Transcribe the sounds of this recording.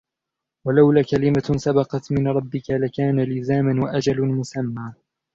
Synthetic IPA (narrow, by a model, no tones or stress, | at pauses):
walawlaːkalɪmasabɑqɑt̪mɪnɾˤɑbːɪkalakaːnalɪzaːmanwaʔad͡ʒalmʊsamːaː